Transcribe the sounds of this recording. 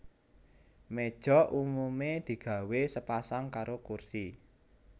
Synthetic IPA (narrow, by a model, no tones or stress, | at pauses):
med̥ʒ̥ɔ̤ʔumumed̪̥i̤ɡ̥ä̤wesəpasaŋkaɾokursi